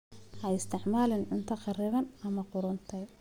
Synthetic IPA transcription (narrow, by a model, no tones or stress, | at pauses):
hɐɪst̪ʰɪʕmaːlɪnʕʊnt̪ʰɐqɑrɪβɐnɐmɐqʊɾʊnt̪ʰɐj